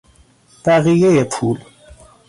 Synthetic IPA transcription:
b̥æɣijejepʰuːl

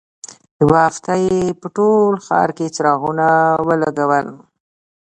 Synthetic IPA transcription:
wɑft̪ajepəʈolxɑ̰ɾket͡ʃɾɑɣunawəlaɡawəl

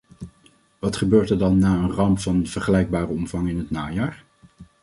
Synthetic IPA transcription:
ʋɑtχəbøːɹtəɹdɑnːaːənrɑmpfɑnv̥əɹχəlɛjɡ̚baːrəɔmvɑŋɪnɦətnaːjaːɹ

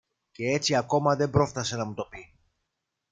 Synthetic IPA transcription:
ce̞e̞t͡siɐko̞mɐðe̞bɾo̞ft̪ɐse̞nɐmut̪o̞pi

